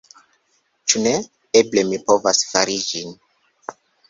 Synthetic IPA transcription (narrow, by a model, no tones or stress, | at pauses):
t͡ʃune̞ | eblemipo̞vasfaɾid͡ʒin